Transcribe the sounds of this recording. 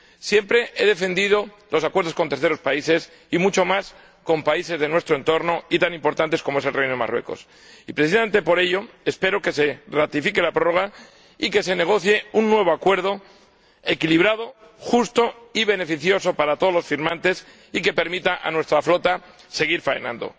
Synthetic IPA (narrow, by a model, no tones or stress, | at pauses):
sje̞mpɾe̞ʔe̞ðe̞fe̞nd̪iðo̞ | lʔo̞sakweɾð̞o̞skont̪eɾθe̞ɾo̞spaise̞s | imut͡ʃo̞mas | ko̞mpaise̞zðe̞nwe̞st̪ɾoent̪o̞ɾnoit̪anĩmpo̞ɾt̪ant̪e̞sko̞moe̞se̞lrejnoema̰rwe̞̰ko̞̰s | ipɾeθisament̪e̞po̞ɾe̞ʎo̞ | espe̞ɾo̞ke̞se̞rat̪ifike̞lapɾoro̞ɣ̞a | ike̞se̞ne̞ɣ̞o̞θje̞unːwe̞β̞oakwe̞ɾð̞o̞ | e̞kiliβ̞ɾað̞o̞ | xust̪o̞iβe̞ne̞fiθjo̞so̞paɾat̪oðolo̞sfiɾmãnt̪e̞s | ike̞pe̞ɾmit̪aʔa̰nwe̞st̪ɾaflo̞t̪a | se̞ɣ̞iɾfaḛnã̰nd̪o̞̰